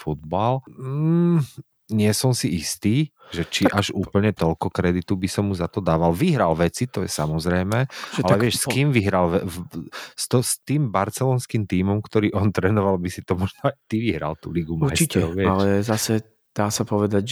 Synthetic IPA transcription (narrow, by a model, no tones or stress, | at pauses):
fud̪̚bal̩ | ɲɪɛsɔmsiist̪iː | ʒɛt͡ʃiʔaʒuːpl̩ɲɛt̪ɔlkɔkɾɛd̪it̪ubisɔmːuzat̪ɔd̪aːʋalʋiɦɾalʋɛt͡sit̪ɔjɛ̰samɔzɾɛjmɛːʒalɛʋɪɛʃskiːmʋiɦɾalʋɛ | st̪ɔst̪iːmbaɾt͡sɛlɔːnskimt̪iːmɔmkt̪ɔɾiːʔɔnt̪ɾɛːnɔʋalbisit̪ɔmɔʒnɔaɪt̪iʋiɦɾa̰lt̪ṵːliɡumaɾjt͡ʃit̪ɛɔʊʋɪɛalɛzasɛ | d̪̥aːsapɔʋɛd̪aɟ